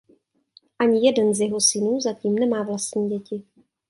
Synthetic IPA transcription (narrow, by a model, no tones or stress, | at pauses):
ʔaɲɪjɛdɛnzjɛɦosɪnuːzaciːmnɛmaːvlast̪ɲiːɟɛcɪ